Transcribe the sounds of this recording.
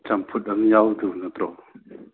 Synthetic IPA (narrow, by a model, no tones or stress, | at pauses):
t͡ɬampʰʊt̪̚ʔanjawd̪unat̪ɾɔʔ